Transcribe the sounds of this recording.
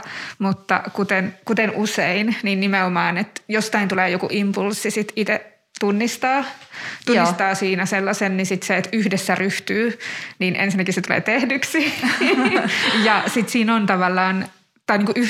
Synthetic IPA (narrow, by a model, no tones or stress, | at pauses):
mut̪ːɑ̰kut̪enkut̪enʔuseinninnimeomɑːnet̪jost̪ɑint̪uleːjokuʔimpulsːisit̪it̪e | t̪unːist̪ɑːt̪unist̪ɑːsiːnæselːɑsennisit̪seet̪yhdesːæryht̪yːniːnʔḛnsinːækisset̪ulḛːt̪ehdyksi | jɑsit̪siːnont̪ɑʋɑlːɑːn | t̪ɑiniːŋkuʔy